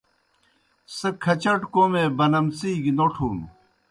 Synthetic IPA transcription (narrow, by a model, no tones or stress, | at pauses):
sɐkʰɐt͡ɕɐʈkoːmeːbɐnɐmsiːɡinoʈʰuːn